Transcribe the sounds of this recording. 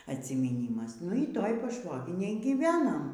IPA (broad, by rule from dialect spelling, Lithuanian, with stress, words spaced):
ɐtʲsʲɪmʲiːˈnʲiːmɐs nʊ iː ˈtoːj pɐˈʃʋoːɡʲɪnʲeːj ɡʲiːˈʋʲæːnɐm